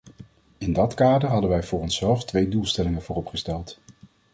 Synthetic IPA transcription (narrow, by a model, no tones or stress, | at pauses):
ɪndɑtkaːdəɹɦɑdəʋɛjvʊːrɔnsɛlˠftʋejdulˠstɛlɪŋənvʊːrɔpχəstɛlˠt